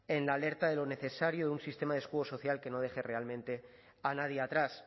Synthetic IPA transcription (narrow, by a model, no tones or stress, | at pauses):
e̞nlaːle̞ɾt̪aðe̞lo̞ne̞θe̞saɾjoðeunsist̪e̞maðeskuɣo̞so̞θjalke̞no̞ð̞exe̞re̞almẽnt̪e̞ | anaðjeat̪ɾas